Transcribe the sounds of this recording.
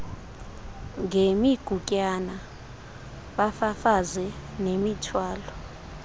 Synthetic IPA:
ŋemiɡ̥ʱukʼana | ɓafafazɛnemitʰwaːlɔ

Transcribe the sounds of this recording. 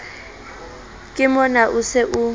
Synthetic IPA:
kʼɪmɔnaʔʊsɪʔʊ

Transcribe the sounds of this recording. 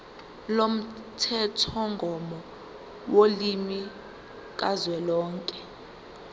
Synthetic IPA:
lom̩tʰɛtʰɔŋɡʱɔmɔ | wolimi | k̬ʼazwɛlɔːŋkʼɛ

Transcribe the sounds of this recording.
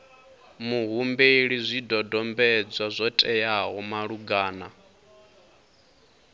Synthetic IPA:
muɦumbɛiɺizʷidɔdɔmbɛd͡zwazʷɔtʼɛjaɦɔmaɺuɡaːna

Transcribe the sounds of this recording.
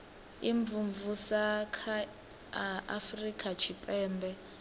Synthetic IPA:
iɱbvuɱvusakʰa | a̰frikʼat͡ʃʰipʼɛːmbʱɛ

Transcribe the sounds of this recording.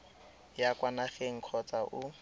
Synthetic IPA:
jakwanaχeŋ̩kʰɔt͡saʔʊ

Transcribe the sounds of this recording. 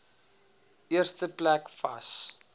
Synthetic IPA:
ʔiərstəplækfɐ̰s

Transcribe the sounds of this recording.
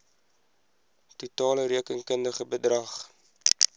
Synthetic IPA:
tutɑːləɾiəkəŋkəndəχəbədrɐχ

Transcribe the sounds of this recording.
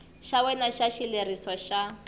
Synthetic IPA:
ʃawɛnaʃaʃilerisɔʃa

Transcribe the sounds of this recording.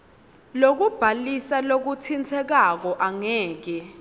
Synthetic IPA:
lok̬ub̥ʱalisalok̬utʰint͡sʰɛk̬ak̬ɔʔaŋɛːk̬ɛ

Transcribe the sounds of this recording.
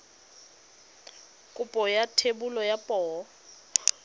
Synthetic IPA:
kʼupʼɔjatʰebulɔjapʼɔː

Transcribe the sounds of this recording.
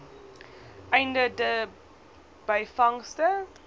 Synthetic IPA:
ʔɛjndədə | b̥ɐjfɐŋstə

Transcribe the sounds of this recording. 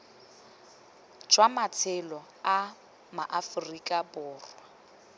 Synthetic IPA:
d͡ʒwamat͡sʰɪlɔ | a | maʔafʊrikʼabʊːrwa

